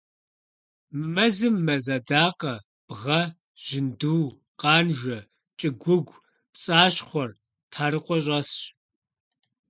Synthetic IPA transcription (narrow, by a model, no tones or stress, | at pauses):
mɐzɨmːɐzɐdaːqɐ | b̥ʁɐ | ʒ̥ɪnduːw | qɑːnʒʷɐ | t͡ʃʼɪɡʷʊɡʷ | pt͡sʼaːɕχʷɔr | tʰaːɾɨqʷʼɔɕ̬ʼɐsɕ